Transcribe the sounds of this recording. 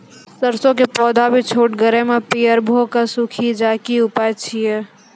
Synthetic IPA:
səɾsõk̬epɔːd̪ʱabʱit͡ʃʰoːʈ̚ɡəɾemẽpijəɾbʱoːkasukʰid͡ʒaːkiʊpajt͡ʃʰijɛ

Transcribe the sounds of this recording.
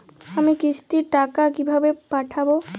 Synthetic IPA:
amikist̪iʈakakibʱabepaʈʰabo

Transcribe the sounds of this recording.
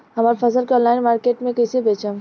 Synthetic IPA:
ɦəmaɾpʰəsəlkeɔ̃ːnlaːɪnmaːɾkeːʈmẽkəjsebeːt͡ʃəm

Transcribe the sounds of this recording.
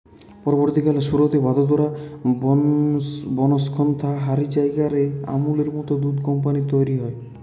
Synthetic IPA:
pɔɾɔbɔɾt̪ikalasuɾot̪ebad̪ɔd̪ɔɾa | bɔnɔskʰɔnt̪ʰaɦaɾid͡ʒajɡaɾea̰muleɾmut̪ɔd̪ud̪kɔmpanit̪ɔjɾiɦɔe

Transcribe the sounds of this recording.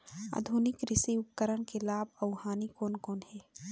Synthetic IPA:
a̰d̪ʱunɪkɾɪsiʊpkəɾəɽ̃kelaːb̚ɐʊhaːnikoːnkoːnhɛː

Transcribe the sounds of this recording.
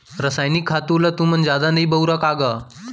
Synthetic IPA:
ɾəsajnikʰːat̪ulat̪uːmənd͡ʑjad̪anəibəwɾakaɡa

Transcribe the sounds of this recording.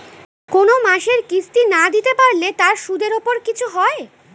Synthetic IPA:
konomaʃeɾkisʈinad̪it̪epaɾlet̪aɾʃud̪eɾopoɾkit͡ɕʰuɦɔe

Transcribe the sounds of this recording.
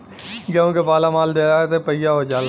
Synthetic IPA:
ɡaõkepaːlamaːld̪eːɾaːet̪epɐɪjaɦod͡ʒaːl

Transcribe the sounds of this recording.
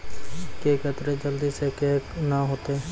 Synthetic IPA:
keːkeːt̪ɾed͡ʒəld̪iːseːkeːnaːɦoːt̪eː

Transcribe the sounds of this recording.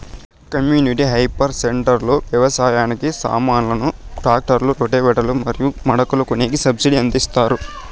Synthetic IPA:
kɐmjuːniʈiɦɐjpɐɾseɳʈɐɾloːʋjɐʋɐsaːjaːnikisa̰ːmaːnlɐnuɖaːk̚ʈɐɾluɾoʈeːʋɛʈɐlumɐɾijumɐɽɐkulɐkuneːɡisɐbsiɽiɐnd̪ist̪aːɾu

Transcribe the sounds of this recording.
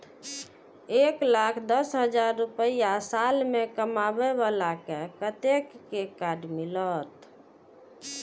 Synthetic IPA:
eklakʰd̪əsɦəd͡ʒaɾːupəjasalmekəmabeβalakekət̪ekːekaɖmilət̪

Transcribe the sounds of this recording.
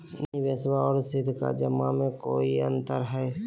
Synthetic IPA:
nĩbəswaɔːɾsɪd̪ʱka̰d͡ʒəmamẽkoːiə̃nt̪əɾɦɛ

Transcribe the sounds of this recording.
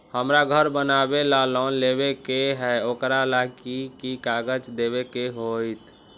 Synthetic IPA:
həmɾaɡʱəɾbənabelalɔnlebekeɦɛokɾalakikikaɡəd͡ʒd̪eβekeɦojt̪

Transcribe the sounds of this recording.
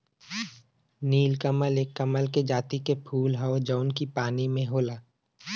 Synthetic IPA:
niːlkəməleːkːəməlked͡ʒaːt̪ikepʰuːlɦəod͡ʒəːnkipaːnimẽɦoːlaː

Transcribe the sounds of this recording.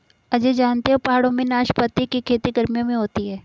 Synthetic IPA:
ɐd͡ʒed͡ʒaːnt̪eɦopaɦaːɽõmẽnaːʃpɐt̪ːikikʰeːt̪iɡɐɾmijõmẽɦoːt̪iɦɛː

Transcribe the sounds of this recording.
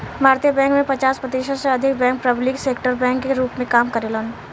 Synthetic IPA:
bʱaːɾt̪ijəbɛ̃ːŋkmẽpɐt͡ʃaːspɾət̪iːʃəseɐd̪ʱɪk̚bɛ̃ːŋk̚pɾɐblɪkseːkʈəɾbɛ̃ːŋkːeɾuːpmẽkaːmkəɾelən

